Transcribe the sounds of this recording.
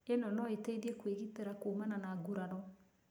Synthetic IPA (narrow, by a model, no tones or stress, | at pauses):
enɔnɔeteiðiɛkweɣiteɾakomananaːɡuɾaɾɔ